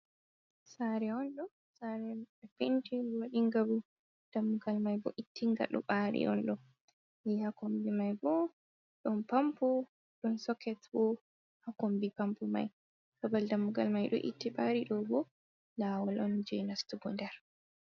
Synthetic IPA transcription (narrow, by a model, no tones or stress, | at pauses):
saɾɛɔnɗɔ | saɾɛɛfintiwaɗiŋɡabu | d̥amːuɡalmajbɔ̰ʔitːiŋɡa̰ɗɔ̰ɓaɾḭʔɔ̰nɗɔ | jɛhakombimajbɔ | ɗɔnpampɔ | ɗɔnsɔkɛtbɔ | hakombipampɔma̰j | kabaldamːuɡa̰lmajɗɔ̰ʔḭtːiɓaɾiɗɔbɔ | lawɔlʔɔnd͡ʒɛnastuɡɔndɛɾ